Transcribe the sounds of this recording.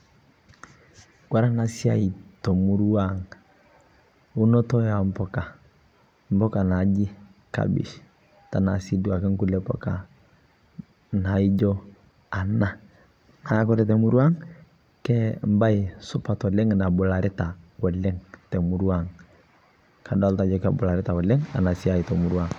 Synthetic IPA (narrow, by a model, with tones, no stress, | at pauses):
ɡ̥wa˦ɾa˦na˨si˦a˦˨i˨to˨mu˦ɾu˦wa˦ŋ | u˦nɔ˦tɔ˦ja˨m̩˦pɔ˦˨ka˨ | m̩˦bɔ˦ka˨na˨˦d͡ʒi˦ka̰˨bḭ˨ʃ | ta˨na˨si˦du˦a˨kɛ˦ŋku˦lɛ˨pɔ̰˨ka̰˨ | na˨i˦d͡ʒɔ˦ | a˨na˦˨ | ŋa˨˦kɔ˦ɾɛ˨tɛ˨mu˦ɾu˦a˦ŋ | kɛ˦mba˦ɪ˨sʊ˦pa˨tɔ˨lɛ˦ŋa˨na˨bʊ˨la˨ɾɪ˦ta˨wɔ˨lɛ˦ŋtɛ˨mu˨ɾu˦a˦˨ŋ | kʰa˨dɔ˦lta˨˦d͡ʒɔ˦ka˨bʊ˨la˨ɾɪ˦ta˨wɔ˨lɛ˦ŋa̰˨na˨si˦a˦i˨tɔ˨mu˨ɾwa˦˨ŋ